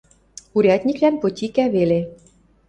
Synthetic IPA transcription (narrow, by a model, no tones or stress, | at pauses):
uɾʲɑt̪ʲnʲiklænpŏt̪ʲikæβele